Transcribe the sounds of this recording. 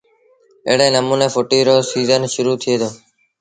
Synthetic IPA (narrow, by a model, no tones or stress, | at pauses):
ḛːɽẽːnəmũːneːfoːʈiːɾoːsiːzənʃʊɾuːt̪ʰɪeːd̪ʰoː